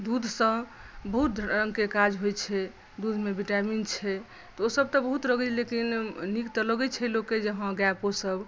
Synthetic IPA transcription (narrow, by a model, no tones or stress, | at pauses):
d̪ud̪ʱsə̃bəɦut̪̚d̪ʱɾəŋɡkekad͡ʒɦojt͡ʃʰɛ | d̪ud̪ʱmebiʈamint͡ʃʰɛ | t̪ɔosəb̚t̪ɔbəɦut̪ɾəɡɛlekinnikt̪ələɡɛt͡ʃʰɛlokːed͡ʒəɦə̃ɡaposəb